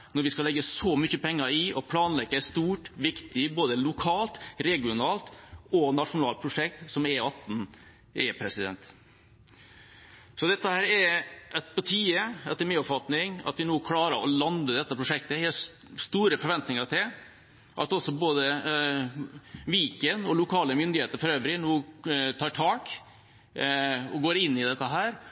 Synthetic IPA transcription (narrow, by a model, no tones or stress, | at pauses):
nɔɾʋɪskɑlɛɡːəsɔmʏçəpʰɛŋːəɾɪʔɔpʰlɑːnlɛɡːəæst̪uːʈʋɪkt̪ɪboːd̪əlʊkʰɑːlt̪ɾɛɡɪʊnɑːlt̪ɔnɑʂʊnɑːlt̪̚pʰɾʊʂɛk̚t̪sɔmɛɑpn | ʔɛpʰɾɛsɪd̪ɛ̰nt̪ | sɔd̪ɛt̪ːəhæːɾɛɾʔɛt̪̚pʰɔt̪ʰiːəɛt̪ːəɾmiːɔpfɑt̪nɪŋɑ̰t̪ʋɪnoːkʰlɑːɾəɾɔlɑnd̪əd̪ɛt̪ːəpɾʊʂɛk̚t̪əhɛ | st̪uːɾəfɔɾʋɛnt̪nɪŋəʈʰɪl | ʔɑ̰t̪ɔsɔboːd̪ə | ʋiːkənɔlʊkʰɑːləmʏnd̪ɪheːt̪əɾfɔɾøːʋɾɪnoːt̪ʰɑːʈʰɑːk | ɔɡoːɾɪnːɪd̪ɛt̪ːəɦæːɾ